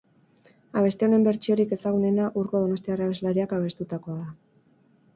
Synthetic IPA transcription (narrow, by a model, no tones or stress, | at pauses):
aβ̞e̞st̪e̞o̞ne̞mbe̞ɾt͡ʃio̞ɾike̞saɣ̞une̞naʔuɾko̞ð̞o̞no̞st̪iaraβezlaɾiakaβ̞e̞st̪ut̪ako̞aða